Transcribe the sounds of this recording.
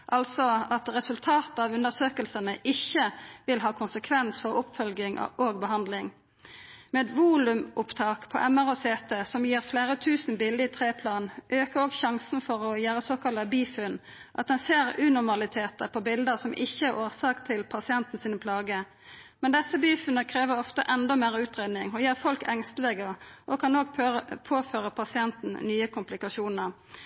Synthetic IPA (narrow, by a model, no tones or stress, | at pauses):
ʔɑlsɔɑt̪ʁɛsʉlt̪ʰɑːt̪ɑːʋʉnd̪əʁsøːkəlsənəʔɪçːəʋɪlɦɑːkʰʊnsəkʰʋɛnsfɔʁʊpfœlɡɪŋ̰oːɡ̚bəɦɑnd̪lɪŋ | meːd̪ʋuːlʉmʊpt̪ʰɑːkpʰɔ̰ʔɛmæʁoseːt̪ɛsɔmjiːʁfleːʁət̪ʰʉːsn̩bɪld̪ət̪ʰʁeːpʰlɑːnʔøːkəʁoːɡçɑŋsn̩fɔʁɔjæːɾəsoːkʰɑlɑbiːfʉn | ʔɑt̪̚d̪ɛnseːɾʉːnʊɾmɑlɪt̪ʰeːt̪əpʰɔbɪld̪əsɔmʔɪçːəæɾʔoːʁsɑːkt̪ʰːɪlpʰɑsɪɛnt̪n̩siːnəpʰlɑːɡə | mɛnd̪ɛsːəbiːfʉnəkʰʁeːʋəɔft̪ə̰ʔɛnd̪ɔmeːʁʉːt̪ʁeːd̪nɪŋɔjæːʁfɔlkʰɛŋst̪əlɛɡəʔɔkʰɑnoːɡ̚pʰoːføːʁəpʰɑsɪɛnt̪n̩nyːəkʊmplɪkɑʃuːnəɾ